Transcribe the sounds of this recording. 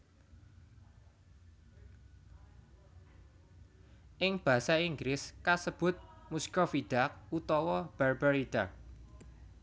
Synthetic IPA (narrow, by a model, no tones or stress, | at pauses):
ʔɪŋb̥a̤saiŋɡlɪskasəb̥ʊ̤t̪̚muskɔfid̪̥ak̚ut̪ɔwɔb̥arb̥aɾid̪̥a